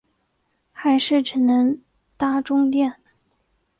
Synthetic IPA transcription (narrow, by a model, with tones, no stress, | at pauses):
xa˧˥ɪʂɻ̩˥˩ʈ͡ʂɻ̩˨˩nə˧˥ŋ | t̪a˥˩ʈ͡ʂʊ˥ŋt̪jɛ˥˩n